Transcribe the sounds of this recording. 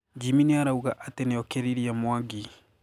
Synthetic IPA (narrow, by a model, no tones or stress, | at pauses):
ɟiminiaɾauɣaʔatenejɔkeɾiɾiamwaɡi